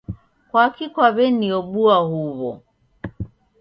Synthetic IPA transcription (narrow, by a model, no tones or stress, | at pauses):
kwakikwaβɛniɔɓuahuβɔ̰